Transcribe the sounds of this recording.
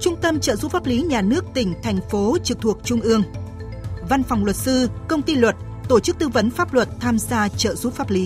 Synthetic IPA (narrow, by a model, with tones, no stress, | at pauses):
t͡ɕʊ˧ŋ͡mt̪ə˧mt͡ɕə̰ː˧˨zu˨˦faː˦˥p̚li˨˦ɲaː˨˩nɨ˦˥ək̚t̪ï˧˩ŋ̟t̪ʰɛ˨˩jŋ̟fo˨˦t͡ɕɨ˨˩k̚t̪ʰu˨˩ək̚t͡ɕʊ˧ŋ͡mʔɨ˧əŋ | va˧nfa˨˩wŋ͡mlwə˨˩t̚sɨ˧kə˧wŋ͡mt̪i˧lwə˨˩t̚ | t̪o˧˩t͡ɕɨ˦˥k̚t̪ɨ˧və˨˦nfaː˦˥p̚lwə˨˩t̚t̪ʰaː˧mzaː˧t͡ɕə̰ː˧˨zu˨˦faː˦˥p̚li˨˦